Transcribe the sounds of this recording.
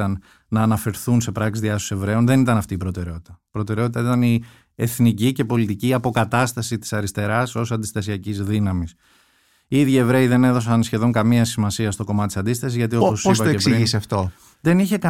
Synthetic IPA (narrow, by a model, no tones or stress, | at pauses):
ɐnː | ɐːnɐfe̞ɾθunse̞pɾɐksizðiɐsose̞vɾe̞o̞nðe̞nit̪ɐnɐft̪iːpɾo̞t̪e̞ɾeo̞t̪i̥t̪ɐpɾo̞t̪e̞ɾeot̪it̪ɐit̪ɐni | e̞θnicice̞po̞lit̪iciːɐpo̞kɐt̪ɐst̪ɐsit̪i̥sɐɾist̪e̞ɾɐso̞sɐnd̪ist̪ɐsiɐcizðinɐmis | iiðʝie̞vɾe̞iðe̞ne̞ðo̞sɐnsçe̞ðo̞ŋkɐmiɐsimɐsiɐst̪o̞ko̞mɐt̪t̪isɐnd̪ist̪ɐsizʝɐt̪io̞posoispɐoksiʝiseɐft̪o̞ | ðe̞niçe̞kɐ